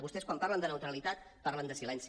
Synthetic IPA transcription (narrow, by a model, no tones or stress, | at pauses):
βust̪ɛskwampaɾlənd̪ənəwt̪ɾəlit̪at̪ | paɾlənd̪əsilɛnsi